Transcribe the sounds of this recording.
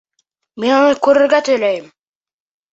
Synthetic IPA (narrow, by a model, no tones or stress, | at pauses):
menonɤkʰɵɾɵɾɡæt̪ʰɵjlæjɪm